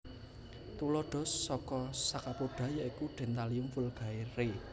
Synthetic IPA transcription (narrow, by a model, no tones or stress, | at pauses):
t̪ulɔɖ̥ɔ̤sːɔkɔsakapoɖ̥ä̤jaikuɖ̪̥ɛ̤nt̪aliumfʊlɡ̥a̤eɾe